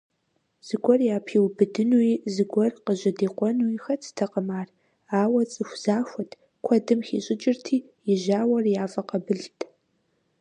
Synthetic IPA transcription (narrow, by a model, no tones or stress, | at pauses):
z̥ɨɡʷʼɔrjaːpʰiːwbɨdɨnuizɨɡʷɔrqəʑɐdiːqʷɔnuixɐt͡sʰɨ̥tʰɐqəmaːr | aːwɐt͡sʼɨxʷz̥aːxʷɔtʰ | kʷʰɔdɨmxḭːɕʼɪt͡ʃʼɪrtʰiː | jɪʒaːwɐrjaːfʼɐqɐbɨɮtʰʼ